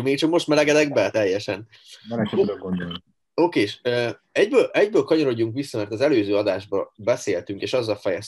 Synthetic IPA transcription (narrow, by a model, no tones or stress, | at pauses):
miːt͡ʃɒkmo̞ʃt̪mɛlɛɡɛd̪ɛɡbɛt̪ɛjːɛʃɛn | ɛnɛkɡond̪olni | oːkeːʃøː | ɛɟbøːlɛɟbøːlkɒɲo̞ɾo̞ɟːuŋkʋisːɒmɛrt̪ɒzɛløːzøːɒd̪aːʒbɒbɛseːlt̪yŋkeːʃɒzːɒlfɛjɛs